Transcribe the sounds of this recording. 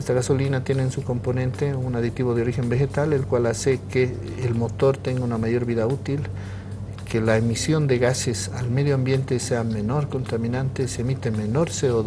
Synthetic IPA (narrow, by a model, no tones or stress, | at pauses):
est̪aɣaso̞linat̪je̞nensuko̞mponẽnt̪eunaðit̪iβoð̞eo̞ɾixe̞mbexet̪alelkwalasekeː | lmo̞t̪o̞ɾt̪eŋɡaunamaʝo̞ɾβiðaut̪il | kʰelaemisjo̞nd̪eɣasesalmeðjoambje̞nt̪eseame̞no̞ɾkont̪amĩnant̪eseemit̪emenoɾseoð